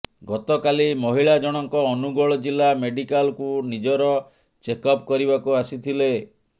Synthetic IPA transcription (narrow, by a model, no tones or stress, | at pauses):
ɡɔt̪ɔkalimɔɦiɭad͡ʒɔɽ̃ɔŋkɔːnuɡɔɭɔd͡ʒilameɖikalkunid͡ʒɔɾɔ | t͡ʃekɔpkɔɾibakuasit̪ʰile